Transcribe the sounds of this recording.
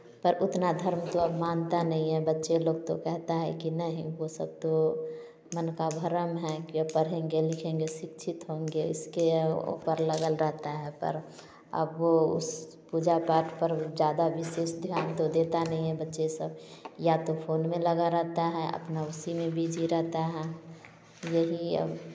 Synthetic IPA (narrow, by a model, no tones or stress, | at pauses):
pəɾʊt̪nad̪ʱəɾmt̪oəbmaːnt̪anəɦĩɦɛbətːʃeloːɡ̚t̪okɛɦt̪aɦɛ̰kinəɦĩʋosə̰b̚t̪o | mənkabʱəɾəmɦɛkiəpəɾ̤ẽŋɡelɪkʰẽŋɡesɪkt͡ʃʰɪt̪ɦõːŋɡeɪskeo̰pəɾləɡəlɾəɦt̪aɦɛpə̰ɾ | ə̰bʋoʊ̰s | pud͡ʒapaːʈʰpəɾd͡ʒjaːd̪aʋɪseːsd̪ʱjaːnt̪od̪et̪anəɦĩɦɛbətːʃesəbjat̪opʰoːnmẽləɡaɾɛɦt̪aɦɛə̰pnaʊsimẽbʱid͡ʒiɾɛɦt̪aɦɛ | jəɦiə̰b